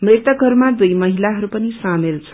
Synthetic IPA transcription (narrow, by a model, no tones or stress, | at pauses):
mret̪ʌkɦʌɾumad̪ujmʌɦilaɦʌɾupʌnisamilt͡sʰʌ̥